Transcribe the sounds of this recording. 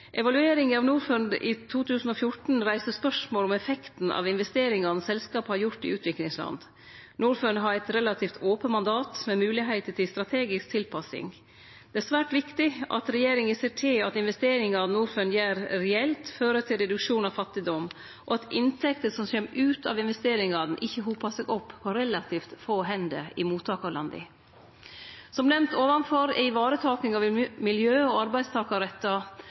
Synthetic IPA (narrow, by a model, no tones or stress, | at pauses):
ʔɛʋɑlʉeːɾɪŋənɑʋnuːɾfœnd̪ḭt̪ʰuːt̪ʰʉːsn̩ɔfjʊʈn̩ɾæɪsəspœʂmoːlɔmɛfɛkt̪n̩ɑ̰ʋɪnʋɛst̪eːɾɪŋɑnsɛlskɑːphɑɾjʊʈ̪ɪ̰ʔʉːt̪ʰʋɪklɪŋslɑ̰nd̪ | nuːɾfœnɦɑɾɛɪt̪ɾɛlɑt̪ʰiːft̪ʰoːpəmɑnd̪ɑːt̪mɛmʉːlɪɦæɪt̪əʈ̪ʰɪlst̪ɾɑt̪ʰeːɡɪsk̚t̪ʰɪlpʰɑsɪ̰ŋ | d̪ɛæsʋæːʈʋɪkt̪ɪɑ̰t̪ɾɛjeːɾɪŋəseːʈʰɪlɑt̪ɪnʋɛst̪eːɾɪŋɑɑʋnuːɾfœnjæːɾɾɛɛlt̪føːɾət̪ʰɪlɾɛd̪ʉkʂuːnɑʋfɑt̪ːɪd̪ɔm | ʔɔɑt̪ʔɪnt̪ʰɛkt̪əsɔmçɛmʉːt̪ʰɑ̰ʋɪnʋɛst̪eːɾɪŋɑd̪n̩ʔɪçːəɦuːpɑsɛɡɔpːpʰːɔɾɛlɑt̪ʰiːft̪foːɦɛnd̪əɪmuːt̪ʰːɑːkɑlɑnd̪ɪ̰ | sɔmnɛmt̪ʰoːʋɑnfɔɾɛ̰ɪʋɑːɾət̪ʰɑːknɪŋɑʋmɪljøːɔɑɾbæɪd̪st̪ʰɑːkɑɾɛt̪ːɑ